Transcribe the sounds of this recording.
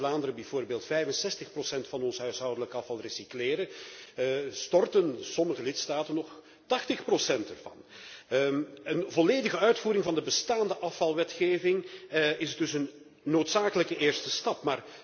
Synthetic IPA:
laːndəɾəbɛvoːrbeːlˠtfɛjvənsɛstəxprosɛntfɑnɔnsəɦœɥsɦʌwdələkəɑfɑlˠresikleːɾə | stɔrtənsɔməɣəlɪtstaːtənːɔχ | tɑxtəxprosɛntɛrvɑ̰n | ənvɔleːdəɣəœɥtfuːɾɪŋvɑndəbəstaːndəʔɑfɑlˠʋɛtxeːvɪŋɪsədɵsənː | oːtsaːkələkəɪːrstəstɑpmaːr

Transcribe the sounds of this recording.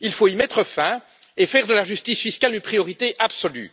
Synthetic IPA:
ilfoimɛt̪χəfɛ̃ | efɛʁd̪əlaʒyst̪isfiskʲalynpχijɔʁit̪eʔabsɔly̰

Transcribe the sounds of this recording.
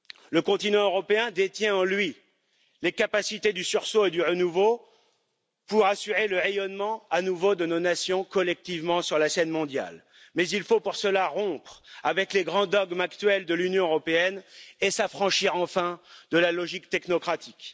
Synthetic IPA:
ləkɔ̃t̪inɑ̃øʁɔpeɛ̃d̪et̪jɛ̃ɑ̃lɥi | lekapasit̪ed̪ysyʁsoed̪yʁənuvo | puʁasyʁeləʁejɔnmɑ̃anuvod̪ənonasjɔ̃kɔlɛk̚t̪ivmɑ̃syʁlasɛnmɔ̃d̪ja̰l | mɛzilfopuʁsəlaʁɔ̃pχavɛkleɡʁɑ̃d̪ɔɡmakt̪ɥɛld̪əlynjɔ̃øʁɔpeɛnesafχɑ̃ʃiʁɑ̃fɛ̃d̪əlalɔʒikt̪ɛknɔkχat̪ik

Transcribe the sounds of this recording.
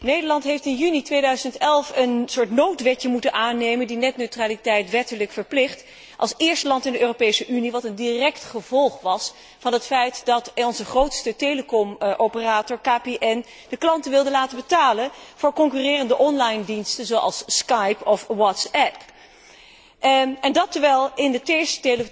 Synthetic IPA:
nejdəɹlɑntɦejftɪnjynitʋejdœɥzəntɛlˠfənsʊːɹtnowtʋɛcəmutənʔaːnejməndinɛtnøɥtraːlitɛjtʋɛtələkfəɹplɪχt | ʔɑ̰lˠsɪːɹstəlɑntɪndəʔøːropejsəʔyniʋɑtəndirɛktχəvɔlˠχʋɑs | fɑnɦətfɛjtdɑtɔnzəχrowtstəteləkɔmʔowpəraːtɔɹkaːpeʔɛn | d̥əklɑntənʋɪlˠdəlaːtəbətaːlənv̥ʊːɹkɔŋkyrɪːrəndəʔɔnlɑjndinstənzowʔɑ̰lˠskɑjpɔfwɑtsɛp | ɛndɑtəɹʋɛlˠɪndəteɹstə̥tel

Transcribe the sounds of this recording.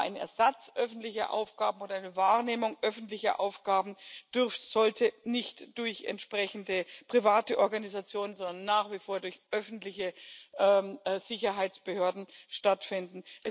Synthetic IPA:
ʔaɪnəɛ̰ɐzat͡sʔœfn̩tlɪçɐ̰ʔa̰ʊfɡ̥aːbm̩oːdɐʔaɪnəvaːʁneːmʊŋʔœfn̩tlɪçɐ̰ʔa̰ʊfɡ̥aːbn̩d̥ʏɐfz̥ɔltʰənɪçtd̥ʊɐçɛ̰ntʃpʁ̥ɛçn̩dəpʁ̥ivaːtəʔɔɐɡanizat͡sjoːnənzɔndɐnːaːχv̥ifoːɐdʊɐçʔœfn̩tlɪçəʔɛːz̥ɪçɐɦaɪt͡sb̥əhøːɐdn̩ʃtatfɪndn̩ʔɛ

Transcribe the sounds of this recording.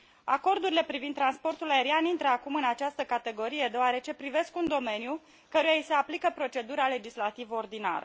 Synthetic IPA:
ako̞rd̪uɾile̞pɾivind̪ɾanspo̞rt̪ulae̞ɾianint̪ɾəakumɨnat͡ʃast̪əkat̪e̞ɡo̞ɾije̞d̪eoaɾe̞t͡ʃe̞pɾive̞skund̪o̞me̞nju | kəɾujaise̞aplikəpɾo̞t͡ʃe̞d̪uɾale̞d͡ʒislat̪ivəo̞rd̪ina̰ɾə̰

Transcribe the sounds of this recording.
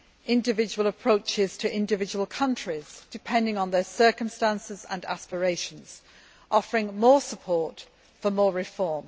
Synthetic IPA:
ɪ̃ndɪvɪd͡ʒəwəlˠəpʰɹ̥oʊt͡ʃɪz̥tʰəʔɪ̃ndɪvɪd͡ʒəwəlˠkʰʌ̃nt͡ʃɹ̥ɪz̥d̥ɪpʰɛ̃ndɪ̃ŋə̃nðəsɜˑ˞kə̃mstãnsɪzə̰̃na̰spəɹeɪʃə̃nz̥ | ʔɒfəɹɪ̃ŋmɔːsəpʰɔɹt | fəmɔːɹɪfɔɹm

